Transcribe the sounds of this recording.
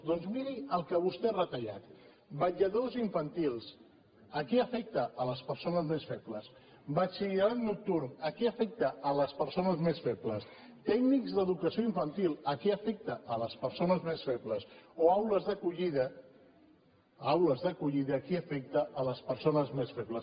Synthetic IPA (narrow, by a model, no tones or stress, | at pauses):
d̪ɔnzmiɾiəlˠkəβust̪erət̪əʎa̰t̪ | bəʎəðoziɱfənt̪ilˠs | əkɛəfɛk̚t̪əːləspəɾsonəzmesfɛpləs | bat͡ʃilaɾannuk̚t̪uɾməkɛəfɛk̚t̪əələspəɾsonəzmesfɛpləst̪ɛɡnikzðəðukəsioiɱfənt̪ilˠəkɛəfɛk̚t̪əʔːləspəɾsonəzmesfɛpləsoawləzðəkuʎiðə | awləzðəkuʎiðəːkiəfɛk̚t̪əʔːləspəɾsonəzmesfɛpləs